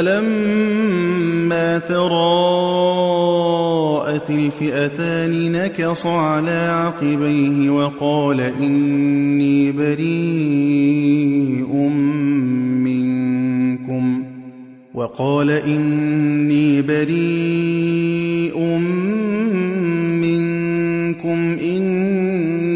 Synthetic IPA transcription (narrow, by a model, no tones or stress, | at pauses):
alam | aːt̪ɑɾˤɑː | ʔat̪ɪlfɪʔat̪aːnɪnakɑsˤɑʕalaːʕɑqɨbajɦɪwɑqɑːlaʔɪnːiːbaɾiː | ʔʊm | mɪŋkʊm | wɑqɑːlaʔɪnːiːbaɾiː | ʔʊm | mɪŋ | kʊmʔɪn